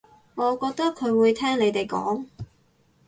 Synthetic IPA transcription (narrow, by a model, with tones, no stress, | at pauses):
ŋɔː˨˧kɔː˧k̚t̪ɐ˥kʰːɵ˨˧ɥwuː˨˧jt̪ʰɛː˥ŋle˨˧jt̪e˨jkɔ̰ː˨˥ŋ